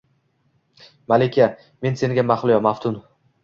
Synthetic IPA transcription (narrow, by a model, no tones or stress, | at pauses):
malekʲʰa | me̞nse̞ŋɡʲamaχlˠɪjɒmaft̪ʰʊn